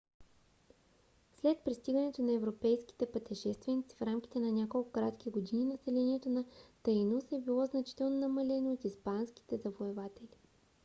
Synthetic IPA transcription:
slɛt̪̚pɾist̪iɡɐnɛt̪onɐɛvɾopɛjskʲi̥t̪ɛpət̪ɛʃɛst̪vɛnit̪si̥fɾamk̟ʲi̥t̪ɛnɐnʲakolˠkokɾat̪k̟ʲiɡod̪ininɐsɛlɛniɛt̪onɐt̪ɐjnusɛbilˠɔznɐt͡ʃi̥t̪ɛlˠnonɐmɐlɛnoot̪ispansk̟i̥t̪ɛzɐvoɛvat̪ɛli

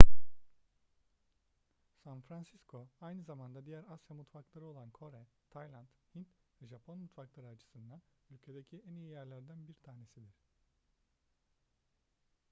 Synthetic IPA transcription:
sanfɾansiskʰo̞ajnɯzamand̪ad̪ijæɾasjamut̪faklˠaɾɯo̞lˠankʰo̞ɾɛt̪ʰajlˠant̪hint̪vɛʒapʰonmut̪faklˠaɾɯat͡ʃʰɯ̥sɯnd̪anylʲcʰe̞d̪ecʰiænijijæɾlʲæɾd̪ænbiɾt̪ʰaːne̞sid̪iɾ̥

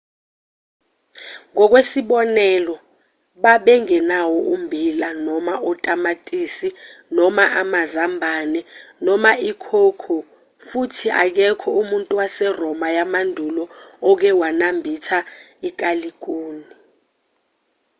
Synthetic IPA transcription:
ŋɔk̬wesiɓɔnɛlɔ | ɓaɓɛŋɛnawɔʔumbʱilanɔmaʔɔtʼamatʼisinɔmaʔamazambʱanɛnɔmaikʰokʰɔ | futʰiʔa̰k̬ɛkʰɔumuntʼuwasɛrɔmajamandʱulɔɔk̬ɛwanambʱitʰaik̬ʼalik̬ʼoːni

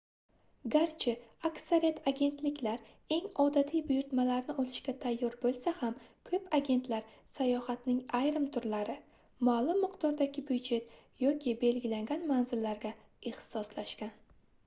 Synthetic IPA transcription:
ɡaɾt͡ʃʰɪaksaɾijat̪ʰaɡʲe̞nt̪lɪkʲlaɾ | e̞ŋɒd̪at̪ʰijbʊjʊɾt̪malaɾnɪɒlɪʃɡʲat̪ʰajːɒɾbolˠsahamkʰɵpaɡʲe̞nt̪laɾsajɒhat̪nɪŋajɾɪmt̪ʰʊɾlaɾɪ | malˠʊmːɪqt̪ʰɒɾd̪aɡʲɪbʊd͡ʒe̞t̪jɒkʲʰɪbe̞lɡʲɪlaŋɡʲanmanzɪlːaɾɡʲa | eχt̪ɪ̥sɒslaʃkʲan

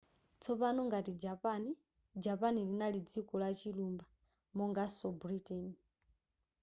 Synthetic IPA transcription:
t͡sʰɔpanɔŋɡatid͡ʒapani | d͡ʒapanilinalid͡zikɔlat͡ʃilumba | mɔŋɡasɔbɾitʼɛni

